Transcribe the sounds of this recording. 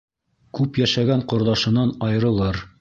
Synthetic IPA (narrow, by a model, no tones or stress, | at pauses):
kʉpjæʃæɡæɴqŏɾd̪ɑʃɤ̆nɑnɑjɤ̆ɾɤ̆lˠɤɾ